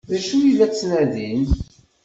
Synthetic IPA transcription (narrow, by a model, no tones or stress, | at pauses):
ðæʃuilæt͡sːnæðin